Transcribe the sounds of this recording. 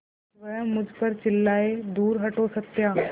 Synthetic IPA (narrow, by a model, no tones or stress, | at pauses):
ʋɐjãmʊd͡ʒʱpəɾt͡ɕɪlːaːed̪uːɾɦɐʈosɐk̚t̪jaː